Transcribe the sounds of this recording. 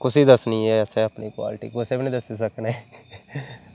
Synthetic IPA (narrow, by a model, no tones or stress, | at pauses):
kʊsiːd̪əsniːɛːəsẽːəpniːkwa̰ːlɪʈḭːkosebnĩːd̪əsiːsəkneː